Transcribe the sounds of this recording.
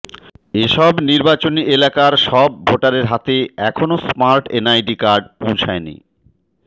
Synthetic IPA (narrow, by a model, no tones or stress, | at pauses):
eʃɔbniɾbat͡ɕoniʔelakaɾʃɔb̚ːʱoʈaɾeɾɦat̪eɛkʰonosmaɾʈenajɖikaɾɖ̚põw̃t͡ɕʰaenḭ